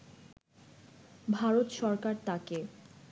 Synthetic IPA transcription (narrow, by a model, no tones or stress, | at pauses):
bʱaɾot̪ʃɔɾkaɾt̪ake